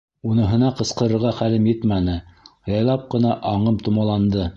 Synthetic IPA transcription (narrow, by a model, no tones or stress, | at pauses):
unɤ̆ɦɤ̆nɑqɤ̆sqɤ̆ɾɤ̆ɾʁɑχælɘmjɘt̪mænɘjɑjlˠɑp̚qɤ̆nɑʔɑɴɤmt̪ŭmɑlˠɑnd̪ɤ